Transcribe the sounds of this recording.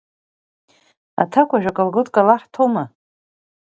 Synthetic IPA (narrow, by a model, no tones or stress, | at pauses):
a̰tʰakʷʰaʒᶣʷakʼalɡɨtʼkʼalaħtʰoma